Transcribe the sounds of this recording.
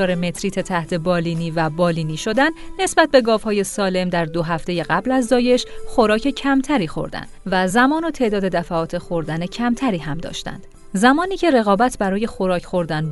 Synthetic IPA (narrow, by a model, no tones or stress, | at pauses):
ɒːɾeme̞t̪ʰɾiːt̪ʰet̪ʰæht̪ʰe̞bɒːliːniːvæbɒːliːniːʃo̞d̪ænːe̞sbæt̪̚be̞ɡɒːvhɒːje̞sɒːle̞md̪æɾd̪oɦæft̪e̞je̞ɣæblæzd̪ɒːje̞ʃxo̞ɾɒːcʰe̞cʰæmt̪ʰæɾiːxo̞̰ɾd̪æ̰nd̪væzæmɒːnot̪ʰe̞ʔd̪ɒːd̪e̞d̪æfæɒːt̪ʰe̞xoɾd̪æne̞cʰæmt̪ʰæɾiːɦæmd̪ɒ̰ːʃt̪æ̰nd̪̥ | zæmɒːniːcʰe̞ɾe̞ɣɒːbæt̪ʰbæɾɒːje̞xo̞ɾɒːcʰxo̞ɾd̪æn